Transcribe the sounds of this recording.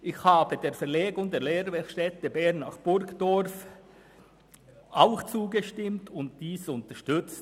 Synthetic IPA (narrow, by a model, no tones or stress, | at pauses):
ʔɪçhaːbədeːfɛʁleːɡʊŋdeːleːɾvɛʃtɛtəbɛɐnːaχb̥ʊɾkd̥ɔɾf | ʔaʊxt͡suːɡəʃtɪmtʰʊntd̥iːsʊntəʃtʏt͡st